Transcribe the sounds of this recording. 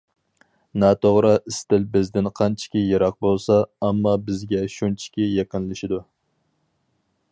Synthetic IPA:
nɑːt̪ʰoʁɾɨʔɪst̪ɪlbɪzd̪ɪnqʰɑnt͡ʃʰi̥kʲijɑɾɑq̚bolˠsɑːmːɑbɪzɡʲɛʃunt͡ʃʰi̥kʲijeqənlɨʃid̪u

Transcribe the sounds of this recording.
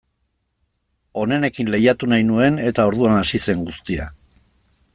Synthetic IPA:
o̞ne̞ne̞kinle̞jat̪unajnue̞ne̞t̪ao̞ɾðuanasise̞ŋɡust̪ia̰

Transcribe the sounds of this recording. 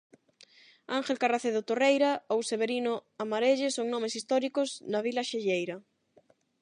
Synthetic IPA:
aŋxelkaraθeðʊt̪orejɾaowseβeɾinoamaɾeʎesoŋnɔ̃mesist̪ɔɾikoznaβ̞ilaʃeʎejɾa

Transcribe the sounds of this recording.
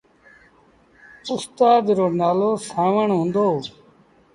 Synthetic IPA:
ʊst̪aːd̪ɾoːnaːloːsaːʋəɳɦõːnd̪oː

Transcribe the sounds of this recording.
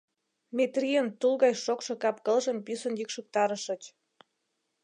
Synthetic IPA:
met̪rʲiənt̪ulɣɑjʃokʃɤ̆kɑpkəlʒəmpysə̆njykʃə̆k̚t̪ɑɾəʃə̆t͡ɕ

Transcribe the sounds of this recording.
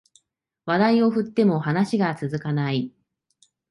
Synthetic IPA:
βad̪aio̞ɸɯ̟t̪ːe̞mo̞hanaɕiɡat͡sɨzɨkanai

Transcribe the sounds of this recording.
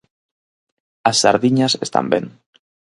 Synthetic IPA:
asːaɾðiɲasḛst̪a̰mbeŋ

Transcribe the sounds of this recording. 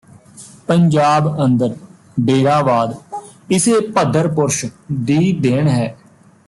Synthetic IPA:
pəɲd͡ʒaːbənd̪əɾ | ɖeːɾaːʋaːd̪ɪseːpəd̪ʱːəɾpʊɾʃd̪iːd̪eːɳɦɛː

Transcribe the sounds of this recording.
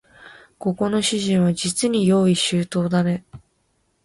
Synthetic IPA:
ko̞ko̞no̞ɕiʑĩɰ̃βad͡ʑit͡sɨɲ̟ijo̞ːiɕɨːt̪o̞ːd̪ane̞

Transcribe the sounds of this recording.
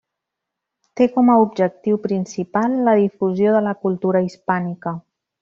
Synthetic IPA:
t̪ekɔməubʒək̚t̪iwpɾinsipalˠːəðifuzjoðələkulˠt̪uɾəispanikə

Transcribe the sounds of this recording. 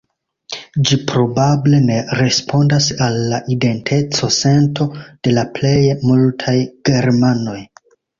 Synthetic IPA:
d͡ʒipɾo̞bable̞ne̞ɾe̞spo̞ndasalːaʔide̞ntʰe̞t͡so̞se̞ntʰo̞d̥e̞laple̞jmultʰajɡ̥e̞ɾmano̞j

